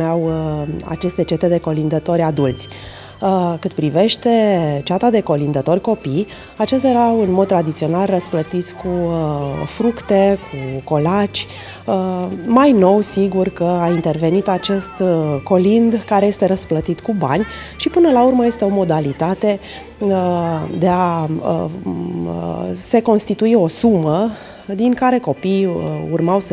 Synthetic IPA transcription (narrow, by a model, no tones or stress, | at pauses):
eawa̰t͡ʃe̞st̪e̞t͡ʃe̞t̪e̞d̪e̞ko̞lind̪ət̪o̞ɾʲad̪ult̪sʲ | kɨt̪̚pɾive̞ʃt̪e̞t͡ʃat̪ad̪e̞ko̞lind̪ət̪o̞rʲko̞pij | at͡ʃest̪jeɾawɨnmo̞d̪̚t̪ɾad̪it̪sio̞nalrəsplət̪it̪sʲku | fɾukt̪e̞kʰuko̞lat͡ʃʲ | əmajno̞wsiɡurkəaint̪e̞rve̞nit̪at͡ʃe̞st̪ko̞lind̪kaɾeje̞st̪e̞ɾəsplət̪it̪kuba̰nʲ | ʃipɨnəlaurməje̞st̪e̞o̞mo̞d̪alit̪at̪e̞ | d̪e̞a | əse̞ko̞nst̪it̪uio̞sumə | d̪iŋkaɾe̞ko̞pijṵrmaws